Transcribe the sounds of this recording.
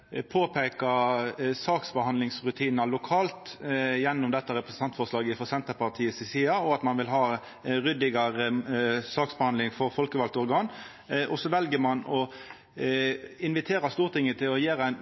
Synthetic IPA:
pʰoːpʰeːkɑsɑːksbəhɑnd̪lɪŋsʁʉt̪ʰiːnnɑlʊkʰɑːlt̪jɛnːʊmd̪ɛt̪ːɑɾɛpɾəsən̩ɑnt̪fɔʁʂlɑːɡəɪfɔsɛnt̪əpɑʁt̪ʰiːəsɪsiːɑɔɑt̪mɑnʋɪlɦɑː | ɾʏd̪ɪɡɑʁəsɑːksbəhɑnlɪŋfɔɾfɔlkəʋɑlt̪ɔɾɡɑːn | ʔɔsɔʋɛlɡəmɑnɔ | ɪnʋɪt̪ʰeːɾɑst̪uːʁt̪ʰɪŋːət̪ʰɪlɔjeːɾæɪn

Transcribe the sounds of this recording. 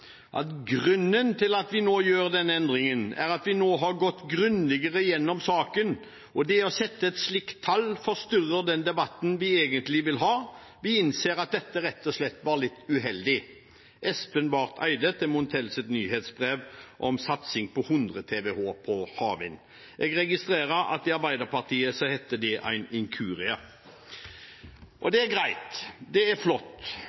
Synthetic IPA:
ʔɑ̰t̪ɡʁʉnːənt̪ʰɪlɑt̪ʋɪnoːjøːɾd̪ɛnɛnd̪ʁɪŋənæ̰ʁɑt̪ʋɪnoːɦɑɾɡɔt̪ːɡɾʉnlɛɡəʁəjɛnːɔmsɑːkən | ɔd̪ɛɔsɛt̪ːəɛt̪slɪkt̪ʰːɑlːfɔst̪ʏrəd̪ɛnd̪ɛbɑt̪ːn̩ʋɪeːɡənt̪lɪʋɪlɦɑː | ʋɪɪnseːɾɑt̪̚d̪ɛt̪ːəɾɛt̪ːɔslɛt̪ːʋɑːɾlɪt̪ːʉɦɛld̪ɪ | ʔɛspənʋɑʁt̪ʰæ̰ɪd̪ət̪ʰɪmʊnt̪ʰɛlsət̪nyːheːt̪sbʁeːʋʔɔmsɑt̪sɪŋpʰɔhʉnd̪ʁət̪ʰeːʋehoːpʰɔhɑːʋɪ̰n | ʔɛɡʁɛɡɪst̪ɾeːɾəɾɑ̰t̪̚d̪ɪɑɾbæɪd̪əɾpɑʁt̪ʰiːəsɔhɛt̪ːəd̪ɛʔæ̰ɪnɪŋkʰʉːɾɪə | ʔɔd̪ɛæɾɡʁæɪt̪d̪ɛæɾflɔt̪ː

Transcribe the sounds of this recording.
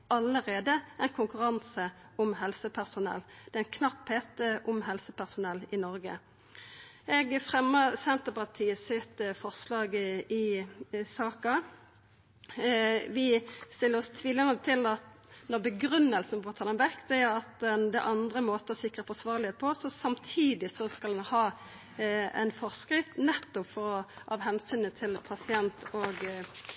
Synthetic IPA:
ɑləʁeːd̪əæɪnkʰʊŋkʉʁɑnsəɔmɦɛlsəpʰæʁsʊnɛ̰lːd̪̥ɛæɪnkʰnɑpheːt̪əʔɔmɦɛlsəpʰæʁsʊnɛlːɪnɔɾɡə̰ | ɛɡfʁɛmːəsɛnt̪əpɑʁt̪ʰiːəsɪt̪fɔʁslɑːɡɪsɑːkɑ | ʋɪst̪ɪlːəʁɔst̪ʰʋiːlənət̪ʰɪlɑt̪nɔʁbəɡʁʉnːəlsən̩fɔʁt̪ʰɑːd̪ɛnʋɛkːd̪̥ɛæɾɑt̪̚d̪ɛnd̪ɛ̰ʔɑnd̪ʁəmoːt̪əɔsɪkʁəfɔsʋɑːʁlɪheːt̪̚pʰɔsɔsɑmt̪ʰiːd̪ɪsɔskɑlɛnhɑː | ɛ̰nfɔʁskʁɪt̪nɛt̪ːɔpfɔʁɔʔɑʋɦɛnsyːnət̪ʰɪlpʰɑsɪɛnt̪ʰoːɡ

